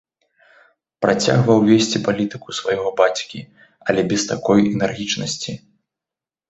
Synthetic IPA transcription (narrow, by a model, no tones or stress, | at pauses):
pɾat͡sʲa̰ɣvɐwvʲesʲt͡sʲipalʲit̪ɨkusvajɣɔbat͡sʲkʲi | ɐlʲɛbʲɛst̪akɔjɛnɛrɣʲit͡ʂnɐsʲt͡sʲi